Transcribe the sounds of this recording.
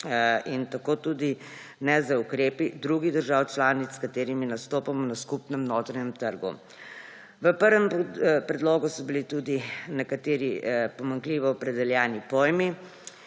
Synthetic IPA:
int̪akoːt̪uːd̪i | nɛzaukɾeːpid̪ɾuɡid̪əɾʒaːwt͡ʃlaːnit̪skat̪eːɾiminast̪oːpamɔnaskupnɛmnoːt̪ɾɛɲɛmt̪əɾɡṵ | ʋəpəɾʋɛmpɾɛd̪loːɡusɔbilit̪uːd̪inɛkat̪eːɾipɔmaŋkliʋɔːpɾɛd̪ɛljaːnipoːjmi

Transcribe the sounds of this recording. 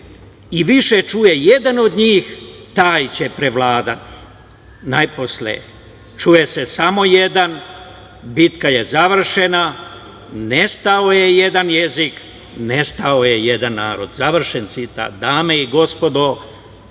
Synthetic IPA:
iʋiʃet͡ʃuje̞jed̪ano̞d̪ɲiːxt̪aːjt͡ɕe̞pɾe̞ʋlaːd̪at̪i̥ | najposlḛ | t͡ʃujese̞samo̞je̞d̪an | bit̪kaje̞zaʋr̩ʃe̞na | nest̪aoje̞je̞d̪anje̞zik | ne̞st̪aoje̞je̞d̪anːaːɾo̞̰d̪zaʋr̩ʃensit̪a̰d̪aːmeiɡo̞spo̞d̪o

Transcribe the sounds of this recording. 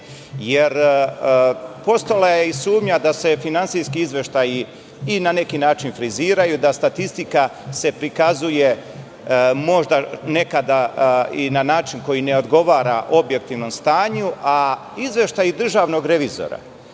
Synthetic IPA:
jeɾ | po̞st̪olajeisuːmɲad̪ase̞finansijskiizʋe̞ʃt̪ajiː | nane̞kinaːt͡ʃinfɾiziːɾajud̪ast̪at̪ist̪ikase̞pɾikazuje | mo̞ʒd̪ane̞kad̪ainanaːt͡ʃinko̞jine̞o̞d̪ɡo̞ʋaːɾa̰ʔo̞bje̞k̚t̪iʋno̞mst̪aːɲuʔa | izʋe̞ʃt̪ajid̪r̩ʒaːʋno̞ɡɾe̞ʋizo̞̰ɾa̰

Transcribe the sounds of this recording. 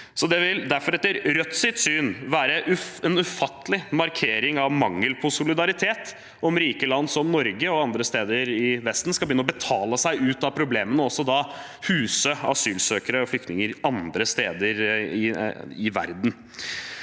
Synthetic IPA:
sɔd̪ɛʋɪld̪æɾfɔɾɛt̪ːəɾɾœt̪sɪt̪syːnʋæːɾəʔʉɛnʉfɑt̪ːəlɪmɑɾkʰeːɾɪŋɑʋmɑŋːəlpʰɔsʊlɪd̪ɑɾɪt̪ʰeːt̪ | ɔmɾiːkəlɑnd̪sɔmnɔɾɡəɔɑnd̪ɾəst̪eːd̪əɾɪʋɛst̪n̩skɑlbɪʏnəɔbət̪ʰɑːləsæɪʔʉːt̪ɑpʰɾʊbleːmənəɔsːɔd̪ɑ | hʉːsəɑ̰syːlsøːkəɾəɔflʏkt̪nɪŋəɾɑnd̪ɾəst̪eːd̪əɾɪɪʋæ̰ɾd̪n̩

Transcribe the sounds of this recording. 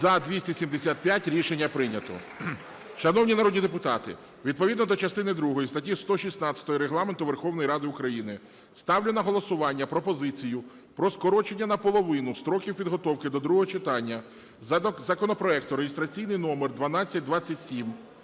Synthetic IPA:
zɐd̪ʲʋʲisʲtʲisʲimd̪esʲat̪̚pʲjatʲɾʲiʃenʲːɐpɾɪnʲɐt̪ɔ̰ | ʃɐnɔwnʲinɐɾɔd̪ʲnʲid̪epʊt̪ɑt̪ɪ̰ | ʋʲid̪̚pɔid̪nɔd̪ɔt͡ʃɐst̪ɪnɪd̪ɾuɦɔjist̪ɐtʲist̪ɔʃʲisnɑt͡sʲɐ̥t̪ɔjiɾeɦlˠɑment̪ʊʋerxɔwnɔjiɾɑd̪ɪʊkɾɐjinɪ | st̪ɑwlʲenɐɦɔlˠɔsʊʋɑnʲːɐpɾɔpɔzɪt͡sʲijʊ | pɾɔskɔɾɔt͡ʃe̞nʲːɐnɐpɔlˠɔʋɪnʊst̪ɾɔkʲiwpʲid̪ɦɔt̪ɔwkɪd̪ɔd̪ɾuɦɔɦɔt͡ʃɪt̪ɑnʲːɐ | zɐkɔnɔpɾɔɛkt̪ʊɾeɦɪst̪ɾɐt͡sʲijnɪjnɔmerd̪ʋɐnɑt͡sʲːɐt̚ʲd̪ʋɑt͡sʲːɐtʲsʲim

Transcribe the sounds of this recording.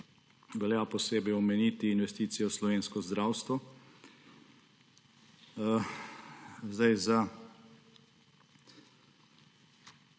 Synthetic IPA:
ʋɛljapɔseːbɛjɔmɛniːt̪iːnʋɛst̪iːt̪sijɔslɔʋeːnskɔzd̪ɾaːwst̪ʋɔ | zd̪ajza

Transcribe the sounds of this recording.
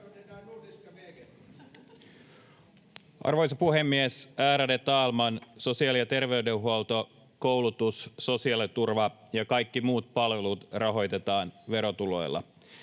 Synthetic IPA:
ʔɑ̰rʋojs̬ɑpuɦemːiesæːɾædet̪ɑːlmɑnso̞siɑːlijɑt̪e̞rʋe̞ydeɦuolt̪o̞ | kowlut̪usso̞siɑlit̪urʋɑ | jɑkɑjkːimuːt̪̚pɑlʋe̞lut̪rɑɦo̞jt̪e̞t̪ɑːnʋe̞ɾot̪ulo̞̰jlːɑ̰

